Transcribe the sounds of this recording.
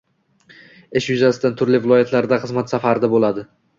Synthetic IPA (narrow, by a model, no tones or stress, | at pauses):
ɪʃjʊzasɪd̪ant̪ʰʊɾlɪvɪlˠɒjat̪ʰlaɾd̪aχɨzmat̪safaɾɪd̪abolad̪ɪ